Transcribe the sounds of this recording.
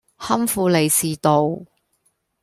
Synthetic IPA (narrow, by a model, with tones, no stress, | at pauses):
hɐ˥mfuː˨˧le˨jsiː˨˧t̪o˨w